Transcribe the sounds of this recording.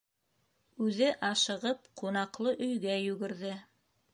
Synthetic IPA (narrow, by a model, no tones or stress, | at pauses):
ʉðɘʔɑʃɤ̆ʁɤpqunɑqlˠɤʔɵ̆jɡæjʉɡɘ̆ɾðɘ